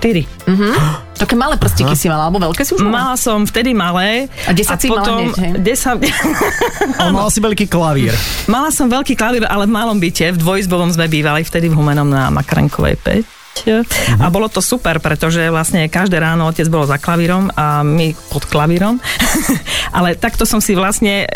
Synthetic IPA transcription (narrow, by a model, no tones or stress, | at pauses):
ʃʃt̪iɾi | m̩ɦt̪akɛːmalɛpr̩scikisimalaalɛbɔʋɛlkɛːsiumalasɔmft̪ɛd̪imalɛːaɛsaipɔt̪ɔmɛɟɛsa | malsiʋɛʎkiːklaʋḭːɾmalasɔmʋɛʎkiːklaʋiːɾalɛvmalɔmbicɛvd̪ʋɔjzbɔʋɔmzmɛbiːʋalift̪ɛd̪ivɦumɛnɔmna̰mʔa̰kɾɛ̰ŋkɔ̰ʋɛ̰jpɛ̰c | abɔlɔt̪ɔsupɛɾpɾɛt̪ɔʒɛʋlasɲɛkaʒd̪ɛːɾaːnɔɔcɛd͡zbɔlɔzaklaʋiɾɔmamipɔt̪klaʋiɾɔm | ʔalɛt̪akt̪ɔsɔmsiʋlasɲɛ